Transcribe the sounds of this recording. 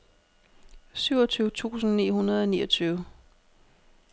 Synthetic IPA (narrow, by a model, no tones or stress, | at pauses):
syʊɐt͡sʰyːʊət͡sʰṵːsn̩nḭːɦunɐðˠɒ̽nḭːʔʌt͡sʰyːʊ